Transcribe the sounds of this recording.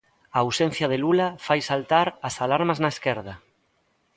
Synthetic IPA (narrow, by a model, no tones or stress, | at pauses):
aːwsen̟θjað̞elulafajsalt̪aɾasalaɾmaznaeskeɾð̞a